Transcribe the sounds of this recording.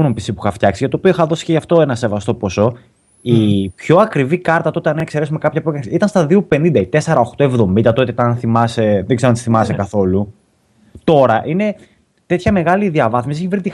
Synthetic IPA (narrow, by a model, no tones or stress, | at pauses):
numpisipuixɐft̪çɐksiʝɐt̪o̞ːpioixɐðo̞si̥ceʝɐft̪o̞enɐse̞vɐst̪o̞po̞so̞ | ipço̞ɐkɾivikɐɾt̪ɐt̪o̞t̪eɐnekse̞ɾe̞sumekɐpçɐpɾokɐsit̪ɐnst̪ɐðiupe̞nind̪ɐit̪e̞se̞ɾɐoxt̪o̞e̞vðo̞mind̪ɐt̪o̞t̪iɐnθimɐse̞ðeɡzeonɐt̪iθimɐsekɐθo̞lu | t̪o̞ɾɐʔine̞ | t̪e̞t̪çɐme̞ɣɐliðiɐvɐθmisieçevɾit̪i